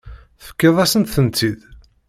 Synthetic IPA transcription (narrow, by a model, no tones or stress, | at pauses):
θfə̥kːeðˤæsənt̪θənt̪ːið